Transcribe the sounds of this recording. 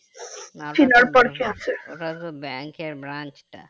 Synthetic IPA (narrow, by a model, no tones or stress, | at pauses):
t͡ɕinaɾpɔɾkʰelt͡ɕʰeat̪obɛŋkeɾbɾant͡ʃʈa̰